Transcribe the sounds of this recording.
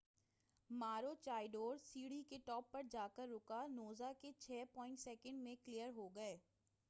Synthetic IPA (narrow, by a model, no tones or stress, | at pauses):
maːɾot͡ʃaːɪɖoːɾsiːɽikeʈɔːpːɐɾd͡ʒaːkəɾːʊkanoːzaket͡ʃʰɛːpɔ̃ːɪ̃ɳʈsɛːkə̃ɳɖmẽklijəɾɦoɡɐeː